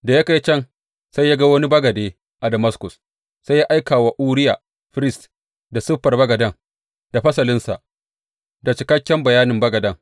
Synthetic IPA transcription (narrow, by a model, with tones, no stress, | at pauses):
da˨ja˦ka˨ji˦t͡ʃɐ˦ŋ | sa˦jja˦ɡa˦wɐ˦ni˦bɐ˦ɡɐ˨deː˦ | ʔa˨dɐ˨mɐ˦skʊ˨s | sa˦jːa˦ʔa˦jkaː˨wa˦ʔuː˦ɾɪ˦jaː˨ | ɸɪ˦ɾɪ˦st | da˨sɪ˦ɸːɐ˨rbɐ˦ɡɐ˨dɐ˦ŋ | d̥a˨ɸɐ˦sɐ˨lɪ˦nsa̰˨ʔ | da˨t͡ʃɪ˨kɐ˦kʲːɛ˦mbɐ˨jaː˦nɪ˨mbɐ˦ɡɐ˨dɐ˦ŋ